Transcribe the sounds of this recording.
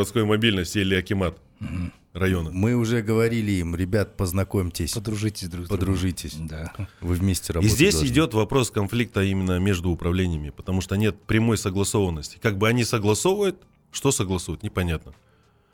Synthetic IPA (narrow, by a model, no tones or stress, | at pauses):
ɐt̪sko̞jmɐbʲilʲnəsʲtʲilʲɪɐkʲɪmat̪̩ | rɐjo̞nəmɨʊʐɛɡəvɐɾʲilʲɪimɾʲɪbʲat̪pəznɐkomʲtʲɪsʲd̪ɾuʐɨtʲɪsʲd̪ɾpəd̪ɾʊʐɨtʲɪsʲd̪avɨvmʲesʲtʲɪɾɐizʲdʲesʲɪdʲo̞t̪vɐpɾo̞skɐnflʲik̚t̪əimʲɪnːəmʲe̞ʐd̪ʊʊpɾɐvlʲenʲɪjəmʲɪpə̥t̪ɐmuʂt̪onʲe̞t̪̚pɾʲɪmo̞jsəɡlˠɐso̞vənːəsʲtʲɪ̥kaɡ̚bɨɐnʲisəɡlˠɐso̞vəjʊt̪̚ | ʂt̪o̞səɡlˠɐsujʊt̪nʲɪpɐnʲat̪nə